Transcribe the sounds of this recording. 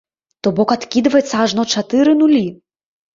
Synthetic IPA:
t̪ɔbɔkat̪kʲid̪vɐjɛt̪sːɐaʐnɔt͡ʂat̪ɨɾɨnulʲi

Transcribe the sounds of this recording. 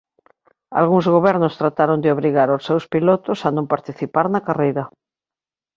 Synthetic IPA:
a̰lɣuŋzɣoβɛɾnost̪ɾat̪aɾõnd̪eoβɾiɣaɾosːewspilot̪osanõmpaɾt̪iθipaɾnakarejɾa

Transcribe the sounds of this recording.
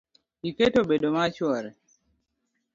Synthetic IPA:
iketobedomat͡ʃwɔɾɛ

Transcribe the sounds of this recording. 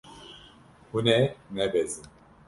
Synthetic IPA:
hunɛnɛbɛzi

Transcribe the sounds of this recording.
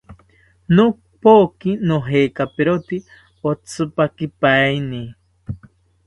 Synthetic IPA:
no | pokinoɦeːkapeɾot̪i | ot͡sʰɨpakipajni

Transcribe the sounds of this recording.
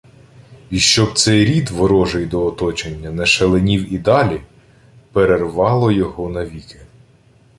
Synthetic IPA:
iʃt͡ʃɔb̚t̪sɛjɾʲid̪ʋɔɾɔʒejd̪ɔːt̪ɔt͡ʃenʲːɐnɛʃelˠenʲiwid̪ɑlʲi | peɾerʋɑlˠɔjɔɦɔnɐʋʲike

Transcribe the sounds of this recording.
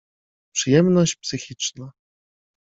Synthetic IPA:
pʂɘjɛmnɔɕt͡ɕpsɘxʲit͡ʂna

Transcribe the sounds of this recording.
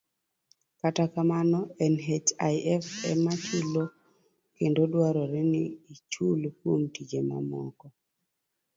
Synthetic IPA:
katakamanɔɛnɦet͡ʃajʔɛfɛmat͡ʃulo | kendodwaɾɔɾɛniːt͡ʃulkwomtid͡ʒema̰mɔ̰kɔ

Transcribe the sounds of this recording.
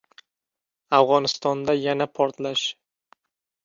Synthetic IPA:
avʁɒnɪst̪ɒnd̪ajanapʰɒɾt̪laʃ

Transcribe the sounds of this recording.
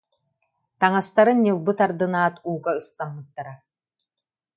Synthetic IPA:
t̪aŋast̪aɾɯnːɯlˠbɯt̪aɾd̪ɯnaːt̪uːɡaɯst̪amːɯt̪ːaɾa

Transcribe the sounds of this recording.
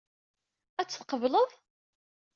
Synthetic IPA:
æt͡sːθqəvləðˤ

